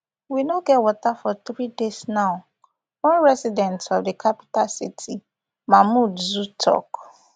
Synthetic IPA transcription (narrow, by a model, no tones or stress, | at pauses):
winoɡɛtwɔtafɔt̪ɾidesnãʊ | wɔ̃nɹɛsidɛ̃ntʰɔfdekʰapi̥tasitʰi | mãmũdzutʰɔ̰k